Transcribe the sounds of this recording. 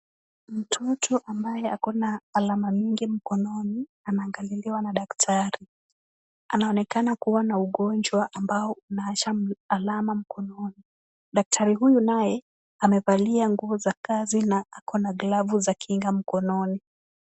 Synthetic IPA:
m̩tʰɔtʰɔʔambajɛakɔnaːlamamiŋɡim̩kɔnɔni | anaːŋɡaliliwanaɗaktʰaɾi | anaɔnɛkanakuwanauɠɔnd͡ʒwaʔambaɔunaat͡ʃaalamam̩kʰɔnɔni | ɗak̚tʰaɾiɦujunajɛ | amɛvaliaŋɡuɔzakazinaakɔnaɡlavuzakʰiŋɡam̩kɔnɔni

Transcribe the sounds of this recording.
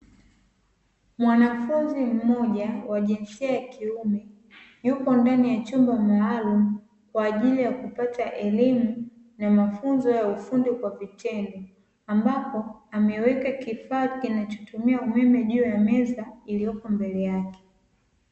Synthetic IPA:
mwanafunzim̩mɔʄawaʄɛnsiajakiumɛ | jupɔndanijat͡ʃumbamaːlumu | kwaːʄilijakupataʔɛlimu | namafunzɔjaufundikwavitʰɛndɔ | ambapɔamɛwɛkakifaːkinat͡ʃɔ̥tumiaumɛmɛʄuːjamɛzailijɔkɔmbɛlɛjakɛ̥

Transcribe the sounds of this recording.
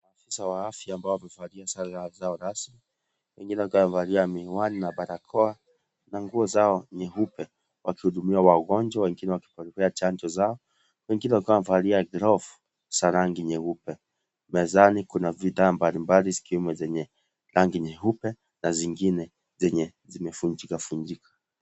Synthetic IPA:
maːfisawaafjaːmbaɔwamɛvaliasaɾazaɔɾasmi | wɛŋɡinɛwakwavaliamiwaninaɓaɾakʰɔa | naŋɡuɔzaɔɲɛɦupɛ | wakihuɗumiwawaɡɔnd͡ʒwawɛŋɡinɛwaki̥pɔɾɛkɛat͡ʃand͡ʒɔzaɔ | wɛŋɡinɛwakawamvaliaɡɾɔf | saɾaŋɡiɲɛhupɛ | mɛzanikunaviðaːmbalimbalizi̥kiwɛmɛzɛɲɛ | ɾʔaŋɡiɲɛɦupɛ | naziŋɡinɛ | zɛɲɛ | zimɛfuɲd͡ʒikafuɲd͡ʒikʰḁ

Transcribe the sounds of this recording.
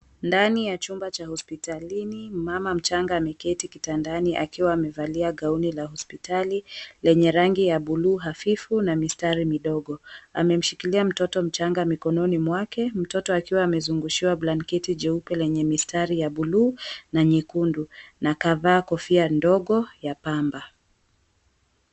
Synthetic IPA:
ndanijat͡ʃumbat͡ʃahɔspitalinimamam̩t͡ʃaŋɡaːmɛkɛtikitandaniʔakiwaːmɛvaliaɠaunilahɔspitalilɛɲɛɾaŋɡijaɓuluːɦafifunamistaɾimiɗɔɠɔa̰mɛm̩ʃikiliam̩tɔtɔm̩t͡ʃaŋɡamikɔnɔnimwakɛm̩tɔtɔakiwaːmɛzuŋɡuʃiwablankɛtid͡ʒɛupɛlɛɲɛmistaɾijaɓuluːnaɲikundunakavaːkɔfiandɔɠɔjapamba

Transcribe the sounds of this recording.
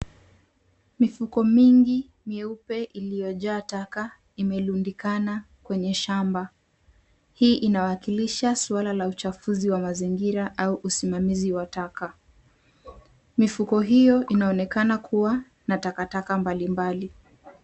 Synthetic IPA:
mifukɔmiŋɡi | miɛupɛʔilijɔʄaːtaka | imɛlundikana | kwɛɲɛʃamba | hiːʔinaakiliʃaswalalaut͡ʃafuziwamaziŋɡiɾaʔauʔusimamiziwataka | mifukɔɦijɔʔinaɔnɛkanakʰuwa | natakatakambalimbali

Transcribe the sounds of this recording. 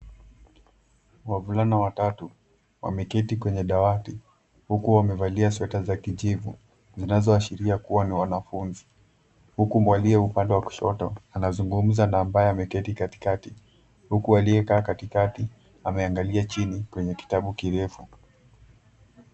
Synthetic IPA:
wavulanawatatu | wa̰mɛkɛtikwɛɲɛɗawati | hukuwamɛvaliaswɛtazakiʄivu | zinazɔaʃiɾiakuwaniwanafunzi | hukumwaliɛupandɛwaku̥ʃɔ̰tɔanazuŋɡum̩zanaːmbajɛamɛkɛtikati̥kati | hukualiɛkaːkatikati | amɛaŋɡaliat͡ʃinikwɛɲɛki̥taɓukiɾɛfu

